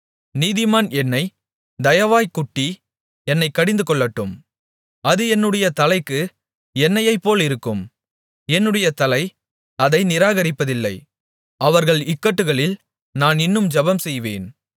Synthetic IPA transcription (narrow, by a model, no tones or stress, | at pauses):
niːðɪmaːnɛnːɐɪ | d̪ɐjɐʋaːjkʊʈːi | ɛnːɐɪkːɐɽɪnd̪ɯkɔɭːɐʈːɯm | ɐðɯɛnːɯɽɐjɐt̪ɐlɐɪkːɯ | ɛnːɐjɐɪpːoːlɪɾɯkːɯm | ɛnːɯɽɐjɐt̪ɐlɐɪ | ɐðɐɪnɪɾaːɣɐɾɪpːɐðɪlːɐɪ | ɐʋɐɾɣɐɭɪkːɐʈːɯɣɐɭɪl | naːnɪnːɯmd͡ʒɐbɐmsɛjʋḛːn